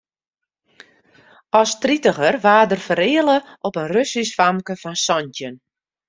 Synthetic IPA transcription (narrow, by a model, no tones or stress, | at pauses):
ɔstritəɣərʋaːdərfəɾɪːələʔɔpənrøsisfamkəfɔnsɔntjən